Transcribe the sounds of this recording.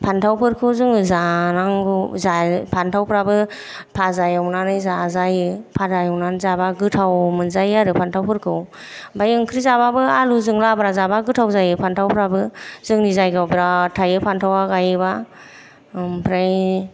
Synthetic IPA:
pʰantʰawpʰɯɾkʰɯwzɯŋzanaŋɡɯzapʰantʰawpʰɾabɯ | pʰazajawnanɯjzazajɯpʰadajawnanzabaɡɯtʰawmɯnzajaɾɯpʰantʰawpʰɯɾkʰɯw | bajɯŋkʰɾizababɯaluzɯŋlabɾazabaɡɯtʰawzajɯpʰantʰawpʰɾabɯzɯŋnizajɡawbiɾatʰajɯpʰantʰawaɡajɯba | pʰɾaj

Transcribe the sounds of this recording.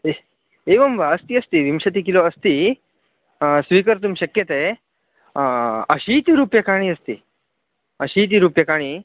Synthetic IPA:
e | eʋəmʋaəst̪iːəst̪iʋimɕət̪̬iːkiloəst̪i | sʋikəɾt̪umɕəkjət̪e | əɕiːt̪iɾupjəkaɽ̃iːəst̪ḭ | əɕiːt̪̬iɾupjəkaɽ̃iː

